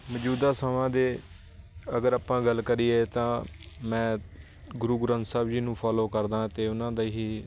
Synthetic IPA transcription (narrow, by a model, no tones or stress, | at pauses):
məd͡ʒuːd̪aːsamãːd̪eː | əɡəɾaːpãːɡəlkəɾiːeːt̪ãːmɛ̃ː | ɡʊɾuːɡʊɾə̃nt̪saːbd͡ʒiːnũːpʰaːloːkəɾd̪ãːt̪eːʊnãːd̪aːɦiː